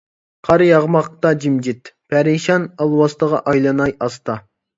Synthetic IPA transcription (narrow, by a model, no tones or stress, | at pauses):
qʰɑɾjɑʁmɑq̚t̪ɑd͡ʒimd͡ʒit̪pʰæɾiʃɑnɑlˠwɑst̪əʁɑ̰ʔɑjlˠɑnɑjɑst̪ɑ